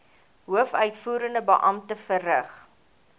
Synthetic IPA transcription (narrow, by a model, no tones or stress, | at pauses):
ɦuəfœɥtfuːɾəndəbə̰ʔɐmtəfərəχ